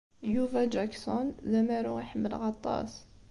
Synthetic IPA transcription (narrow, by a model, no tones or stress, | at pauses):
juvæd͡ʒæksɔnzæmæɾuɣiħəmːəlɣɑt̪ˤːɑ̰s